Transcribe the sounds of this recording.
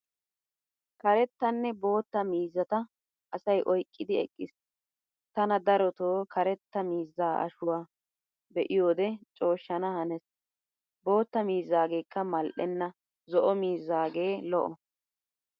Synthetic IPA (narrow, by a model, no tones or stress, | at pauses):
kɐɾɛt̪ːɐnːɛbo̞ːt̪ːɐmiːzːɐt̪ɐ | ʔɐsɐjʔɔjkʼːɪd̪ɪɛkʼːɪs | t̪ɐnɐd̪ɐɾɔt̪oːkɐɾɛt̪ːɐmiːzːaːʔɐ̰ʃʊwaː | bɛʔɪjo̞ːd̪ɛt͡ʃʼo̞ːʃːɐnɐhɐnɛs | bo̞ːt̪ːɐmiːzːaːɡe̞ːkːɐmɐlʔɛnːɐ | zɔʔɔmiːzːaːɡe̞ːlɔʔɔ